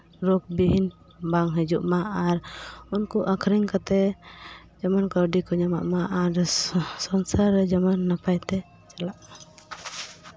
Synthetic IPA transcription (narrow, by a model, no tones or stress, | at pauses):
ɾɔk̚biɦin | baŋɦɛd͡ʒṵʔmaʔaɾunkuʔakʰɾɛŋkat̪ɛ | d͡ʒamankɔɾɖikɔɲama̰ʔmaʔaɾsɔnsaɾːɛd͡ʒamanːapajt̪ɛ | t͡ʃalaʔma